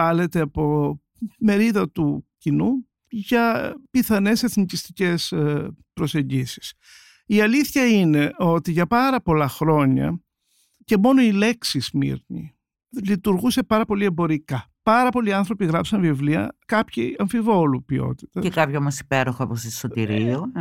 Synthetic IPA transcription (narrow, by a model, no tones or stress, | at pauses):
ɐle̞t̪eɐpo̞ | me̞ɾiðɐt̪ucinu | ʝɐpiθɐne̞se̞θnicist̪ice̞spɾoseɲɟisi̥s | iɐliθçɐine̞o̞t̪iʝɐpɐɾɐpo̞lɐxɾo̞ɲɐ̰ | ce̞mo̞noile̞ksizmḭɾnḭ | lit̪uɾɣuse̞pɐɾɐpo̞liembo̞ɾikɐ | pɐɾɐpo̞liɐnθɾo̞piɣɾɐpsɐnvivliɐ̰kɐpçiɐɱfivo̞lupio̞̰t̪i̥t̪ɐekɐpçoomɐsi̥peɾoxoɐposisot̪iɾio